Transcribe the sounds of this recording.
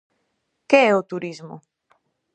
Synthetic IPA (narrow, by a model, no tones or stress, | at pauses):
keɛʊt̪uɾizmʊ̰